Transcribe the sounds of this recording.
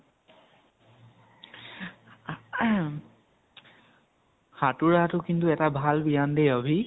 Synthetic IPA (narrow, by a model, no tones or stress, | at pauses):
hatuɹatʊkintuɛtabʱalbiandejɔbʱi